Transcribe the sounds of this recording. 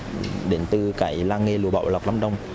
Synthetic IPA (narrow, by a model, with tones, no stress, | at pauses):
ɗe˨˦nt̪ɨ˨˩kaː˧˦jlaː˧ŋŋe˧˩lṵ˨˧˦ɓa̰˧˨wla˨˩wk͡p̚la˨˦mɗə˧wŋ͡m